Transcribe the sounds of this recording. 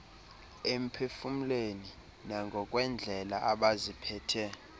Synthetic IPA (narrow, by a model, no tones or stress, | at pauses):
em̩pʰefum̩leni | naŋɡʱɔkʼwɛnd͡ɮʱɛlaʔaɓazipʰɛːtʰɛ